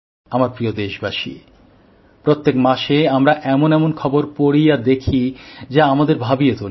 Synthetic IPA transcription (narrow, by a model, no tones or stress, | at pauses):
amaɾpɾijod̪eʃbaʃḭ | pɾot̪ːekmaʃeamɾaʔɛmonɛmonkʰɔboɾpoɾijad̪ekʰid͡ʑaamad̪eɾbʱabiet̪ol